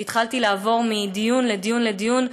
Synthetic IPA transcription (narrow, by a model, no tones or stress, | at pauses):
it̪χalt̪ilaːvo̞ʁmid̪ijunled̪ijunle̞d̪ijun